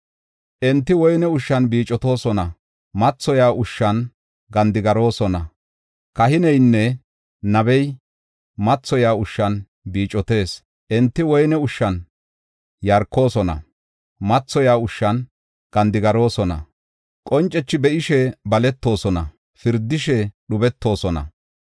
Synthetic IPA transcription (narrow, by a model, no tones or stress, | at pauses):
ʔɛnt̪ːɪwɔjnɛʊʃːɐnbiːt͡ʃʼːɔt̪o̞ːsɔnɐ | mɐt͡sːɔjaːʊʃːɐn | ɡɐnd̪ɪɡɐɾo̞ːsɔnɐ̰ | kɐhɪnɛjnːɛ | nɐbɛj | mɐt͡sːɔjaːʊʃːɐn | biːt͡ʃʼːɔt̪e̞ːs | ʔɛnt̪ːɪwɔjnɛʊʃːɐn | jɐɾkːo̞ːsɔnɐ̰ | mɐt͡sːɔjaːʊʃːɐn | ɡɐnd̪ɪɡɐɾo̞ːsɔnɐ̰ | kʼɔnt͡ʃʼːɛt͡ʃːɪbɛʔɪʃɛbɐlɛt̪ːo̞ːsɔnɐ | fɪɾd̪ːɪʃɛɗʊbɛt̪ʰːo̞ːsɔnɐ̰